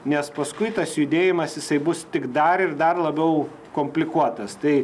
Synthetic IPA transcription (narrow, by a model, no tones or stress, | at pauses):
nʲɛspɐskʊɪt̪ɐsjʊd̪ʲeːjɪmɐsjɪsɐɪbʊst̪ʲɪkd̪ɐɾɪrd̪ɐrlˠɐbʲɛʊ | komʲpʲlʲɪkuɔt̪ɐst̪ɐɪ